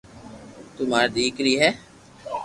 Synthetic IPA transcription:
t̪ʊmaːɾd̪iːkɾiːɦɛː

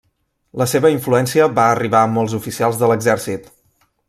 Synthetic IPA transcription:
ləseβəiɱfluɛnsiəβaəriβaəmɔlˠzufisialˠzðələɡzɛɾsit̪

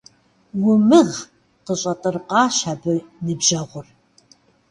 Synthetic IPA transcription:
wʊmɨʁ | qəɕʼɐtʼɨrqɑːʃabɨnɨbʒɐʁʷʊr

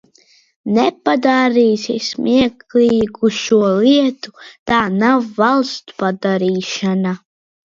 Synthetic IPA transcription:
nɛpad̪aɾiːsismʔiɛkliːɡuʃuɔlˠiɛt̪ʰu̥t̪aːnawːalˠst̪u̥pad̪aɾiːʃana

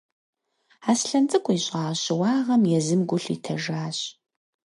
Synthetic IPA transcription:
aːsɬɐnt͡sʼɨkʷʼʊiɕʼaːɕɪwɑːʁɐmjɛzɨmɡʷʊɬḭtʰɐʒaːɕ

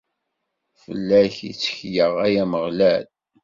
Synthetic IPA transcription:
fə̰lːæçit͡sːə̥çjəʁæjæməʁlæl

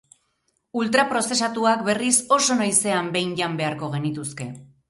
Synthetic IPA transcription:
ult̪ɾapɾo̞se̞s̬at̪uakbe̞riso̞so̞najse̞ambe̞jɲʎambe̞aɾko̞ɣ̞e̞nit̪uske̞

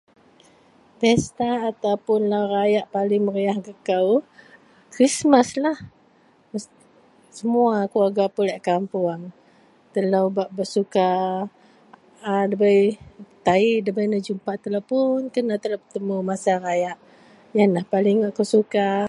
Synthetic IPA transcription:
t̪ɛst̪aːt̪awpʊnlawɾajaʔpalɪŋməɾiahɡəkaw | kɾismaslah | məs | səmuakluaɡapulaʔkampuaŋ | t̪əlawbaʔbəsuka | dəbajt̪aiʔdəbajnəd͡ʒumpaʔt̪əlawpʊnkənat̪əlabət̪əmumasarajaʔ | janlahpalɪŋːaʔkosuka

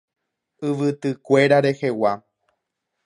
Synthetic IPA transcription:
ɨʋɨt̪ɨkʷe̞ɾaɾe̞he̞wa

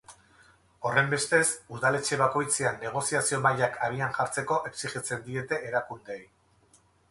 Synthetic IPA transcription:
o̞re̞mbe̞st̪e̞suðale̞t͡ʃe̞β̞ako̞jt͡seanːe̞ɣ̞o̞siasio̞maʎakaɣianʝaɾt͡se̞ko̞ʔe̞ksiχit͡se̞nd̪ie̞t̪e̞ʔeɾakund̪ej

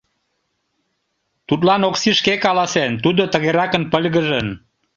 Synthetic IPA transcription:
t̪ut̪lɑnoksiʃkekɑlɑsent̪ud̪ot̪əɣeɾɑkənpəlʲɣəʒən

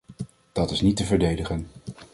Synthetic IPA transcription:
d̥ɑtɪsnitəvəɹdejdəχən

